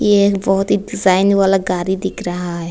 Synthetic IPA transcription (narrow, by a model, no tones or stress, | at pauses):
jebɔɦʊt̪ɦiɖɪzaːɪnʋaːlaɡaːɾid̪ɪkʰɾɐɦaɦɛ